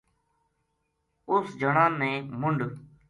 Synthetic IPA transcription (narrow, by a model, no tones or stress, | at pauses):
ʊsd͡ʒʱəɳãːnːẽːmʊɳɖ